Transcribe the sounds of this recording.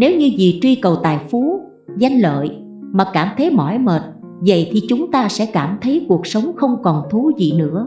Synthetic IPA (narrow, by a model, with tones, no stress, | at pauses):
ne˨˦wɲɨ˧zi˨˩t͡ɕwi˧kə˨˩wt̪a̰ː˨˩jfu˨˦ | za˧jŋ̟lə̰ː˧˨j | maː˨˩kaː˧˩mt̪ʰə˨˦jmɔ̰˧˩jməː˨˩t̚ | və̰˧˨jt̪ʰi˨˩t͡ɕʊ˨˦ŋ͡mt̪aː˧sɛ̰˧˥kaː˧˩mt̪ʰə˨˦jku˨˩ək̚sə˨˦wŋ͡mxə˧wŋ͡mkɔ˨˩nt̪ʰu˨˦zḭ˧˨nɨ̰˧˥ə